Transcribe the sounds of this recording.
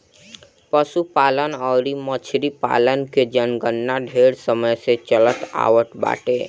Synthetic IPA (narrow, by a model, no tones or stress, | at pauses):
pəsupalənəʊɾimət͡ʃʰɾipa̰lənked͡ʒənɡənːaɖʱeɽsəməjset͡ʃələt̪a̰ʋəʈba̰ʈe